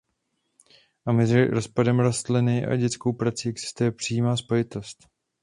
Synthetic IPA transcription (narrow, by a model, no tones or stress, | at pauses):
ʔamɛzɪɾospadɛmɾost̪lɪnɪʔa̰ɟɛt͡sko̞wpɾat͡siːʔɛɡz̥ɪ̥st̪ujɛpr̝̥ijiːmaːspo̞jɪt̪o̞st̪